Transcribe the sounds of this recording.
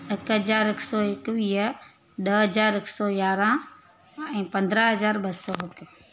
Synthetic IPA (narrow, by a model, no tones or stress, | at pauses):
ɪkɦəd͡ʒaːɾɪksɔːɪkʋiːɦə | ɗəɦɐd͡ʒaːɾɪksɔːjaːɾãː | ɛ̃ːpɐ̃nd̪ɾaɦɐzaːɾbəsɔɪk